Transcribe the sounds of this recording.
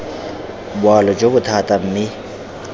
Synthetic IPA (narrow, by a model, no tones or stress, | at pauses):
bwalɔd͡ʒobʊt̪ʰatʼam̩mɪ